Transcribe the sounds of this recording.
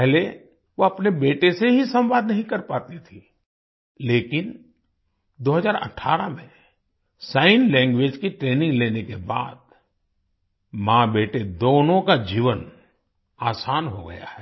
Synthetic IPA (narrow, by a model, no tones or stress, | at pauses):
pɛɦle | ʋoɐpnebeːʈeseɦisɐ̃mʋaːd̪nɐɦĩkɐɾpaːt̪it̪ʰi | leːkɪn | d̪oːɦəzaːɾɐ̰ʈʰːa̰ːɾamẽ | saːɪnlɛ̃ːŋɡʋeːd͡ʒkiʈɾeːnɪ̃ŋɡleːnekeba̰ːd̪ | mãːbeːʈed̪oːnõkad͡ʒiːʋən | aːsaːnɦoɡɐ̰ja̰hɛː